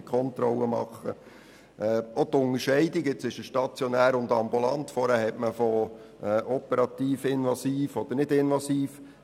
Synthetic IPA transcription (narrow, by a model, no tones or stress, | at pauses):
kʰɔnt̪ɾɔlːəmɑ̰χə̰ | ʔɛːot̪ʊŋəɾʃɛɪdɪkɪt͡sɪʃəʃtɑt͡sjɔnæːɾʊnd̪ɑmbulɑnt̪fɔɾæhɛtməfo | ɛʔɔpəɾɑt̪iːfɪnʋɑsiːfɔd̥̪əɾnɪdɪnʋɑsiːf